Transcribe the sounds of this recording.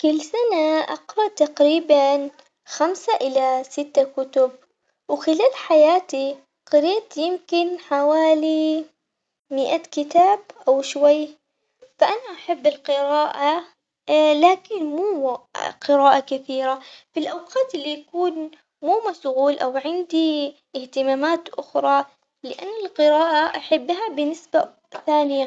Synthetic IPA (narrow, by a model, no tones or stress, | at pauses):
kɪlːsanaʔɑ̰qɾˤɑʔt̪aqɾiːban | xamsaʔɪlasɪt̪ːakʊt̪ʊb̚ | wxɪlaːlħajaːt̪i | qɑɾiːt̪jɪmkɪnħawaːli | mɪʔakɪt̪aːbʔawʃwajː | faʔanaʔaħabːɪlqɪɾaːʔa | laːkɪnmuːqɨɾaːʔakɪθiːɾafilʔawqɑːt̪ʔɪlːijakuːn | muːmasʊɣuːlʔawʕɪnd̪i | ɪht̪ɪmaːmaːt̪ʔʊxɾˤɑ | lɪʔanːɪlqɨɾaːʔaʔaħabːɦabɪnːɪsba | θaːnɪja